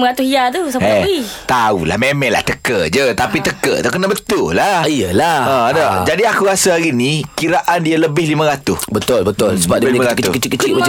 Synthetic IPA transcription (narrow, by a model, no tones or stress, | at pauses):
məɾat̪ʊhijat̪usaɛit̪aula̰hmemɛla̰ht̪əkəd͡ʒət̪apit̪əkə̰t̪ukənabət̪ʊlahijəlaɔdɔd͡ʒadiakuɣasahaɾinikiɾaʔandialəbɪhlimə̃ɾat̪ʊsbət̪ʊlbət̪ʊlsəbadlməɾatk̪ʊ̰skt͡ʃikət͡ʃiə